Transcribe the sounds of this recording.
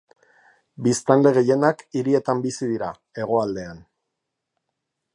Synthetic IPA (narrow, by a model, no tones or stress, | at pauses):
bist̪anle̞ɣ̞e̞je̞nakiɾie̞t̪ambisiðiɾa | e̞ɣ̞o̞ald̪e̞an